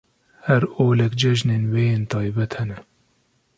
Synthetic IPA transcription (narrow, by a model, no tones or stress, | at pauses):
hɛɾoːlɛkd͡ʒɛʒneːnweːjeːnt̪ʰɑːjbɛt̪hɛnɛ